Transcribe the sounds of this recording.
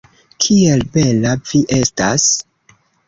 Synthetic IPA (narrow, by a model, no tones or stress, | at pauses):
kʰielbe̞lav̥iʔe̞sta̰s